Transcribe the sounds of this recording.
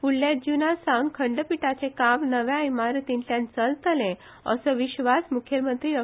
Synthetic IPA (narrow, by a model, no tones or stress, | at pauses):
puɽlːjad͡ʑinasawnkʰəɳɖəpiʈat͡sekaʋnəʋjãimaɾt̪intjãnt͡səlt̪lẽ | ə̰səʋiɕʋasmukʰjəmənt̪ɾiɾə